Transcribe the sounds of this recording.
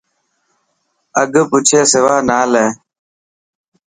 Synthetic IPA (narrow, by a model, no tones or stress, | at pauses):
əɡəput͡ʃʰeːsewaːnaːleː